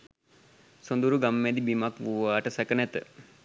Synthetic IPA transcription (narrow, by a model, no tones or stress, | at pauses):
sond̪uɾuɡamːɛd̪ibimakʋuʋaːʈəsɛkənɛt̪ə̰